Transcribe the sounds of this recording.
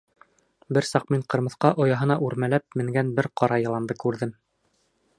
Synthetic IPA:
bɘɾsɑqmiɴqɤ̆ɾmɤ̆θqɑʔŏjɑɦɤ̆nɑʔʉɾmælæp̚mɘ̆ŋɡænbɘɾqɑɾɑjɤ̆lˠɑnd̪ɤkʉɾðɘm

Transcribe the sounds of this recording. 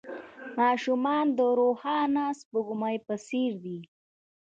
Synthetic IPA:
mɑːʃumɑnd̪əɾohɑnɑspəɡʊmajpəseɾd̪i

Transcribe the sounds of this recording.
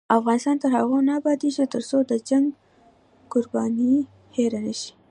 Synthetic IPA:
afɣɑnɪst̪ɑnt̪əɾhaɣonɑːbɑd̪iʃet̪əɾsod̪əd͡ʒaŋɡ | kʊɾbɑni | heɾanaʃi̥

